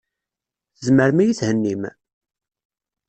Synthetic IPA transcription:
θəzməɾmæjiθhənːim

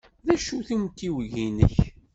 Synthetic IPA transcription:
ðæʃuθumt̪iwʝinə̰ç

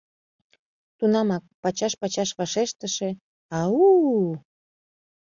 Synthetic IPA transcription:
t̪unɑmɑk̚pɑt͡ɕɑʃpɑt͡ɕɑʃβɑʃeʃt̪əʃe | ɑu

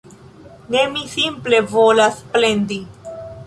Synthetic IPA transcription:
ne̞misimple̞volasple̞nd̪i

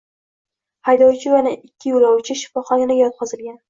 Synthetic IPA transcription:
hajd̪ɒwt͡ʃʰɪjanɪʔɪkʲʰːɪjʊlˠɒwt͡ʃʰɪʃɪ̥fɒχɒnanɪjɒt̪̚qʰɒzɪlɡʲan

